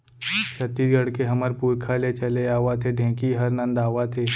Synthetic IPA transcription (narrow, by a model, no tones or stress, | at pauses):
t͡ʃɐt̪iɡɐɽkeɦɐməɾpuːɾkʰalet͡ʃɐleaːʋat̪ʰeɖʱẽːkiɦɐɾnə̃nd̪aːʋat̪ʰeː